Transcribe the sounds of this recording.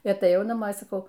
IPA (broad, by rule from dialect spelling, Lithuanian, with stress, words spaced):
ɪ ɐtɐˈjɛʊ nɐˈmoː ɪ sɐˈkɐʊ